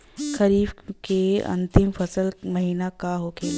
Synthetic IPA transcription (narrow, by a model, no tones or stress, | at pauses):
kɐɾiːbkeɐ̰̃nt̪ɪmfɐsəlmɐɦiːnakaɦoːkeː